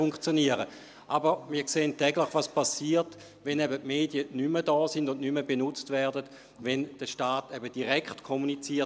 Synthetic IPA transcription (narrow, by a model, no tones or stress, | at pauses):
uŋkχt͡sjoniəʁə | ʔabəʁmiːɐkseːəntːɛɡləχʋaspasiːɐɐt | ʋɛnɛbətmeːdiənymədɔːsindʊnnyməbenʊt͡stvɛɐdəd | vɛnd̥əʃtaːtɛbəd̥iʁɛkχtkʰomunit͡siːɐ